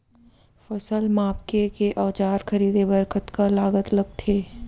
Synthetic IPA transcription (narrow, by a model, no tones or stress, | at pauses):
fɐsəlmaːpkekeʔɐːt͡ʃaːɾxʰɐɾiːd̪ebɐɾkət̪kalaːɡət̪lɐɡ̚t̪ʰeː